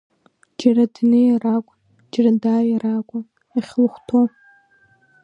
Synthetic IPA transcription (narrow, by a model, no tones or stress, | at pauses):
d͡ʒaradnɨjarakʷʼ | d͡ʒradajarakʷʼa | aχʲlχʷtʰo